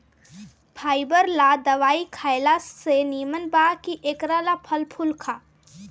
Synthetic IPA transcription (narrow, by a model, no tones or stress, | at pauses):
pʰaːibəɾlad̪ɐʋaːikʰaːɪlaseniːmənbaːkiʔeːkɾalapʰəlpʰʊlkʰaː